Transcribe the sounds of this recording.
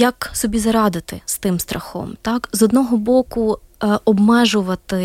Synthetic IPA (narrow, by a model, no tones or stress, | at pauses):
jɐksɔbʲizɐɾɑd̪ɪt̪ɪ̰st̪ɪmst̪ɾɐxɔ̰mt̪ɑkzɔd̪nɔɦɔbɔkʊ | ɔbmɛʒʊʋɐt̪ɪ